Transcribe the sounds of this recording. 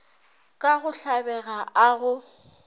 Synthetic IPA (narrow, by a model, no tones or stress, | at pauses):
kʼaɣʊɬabɛɣaaɣʊ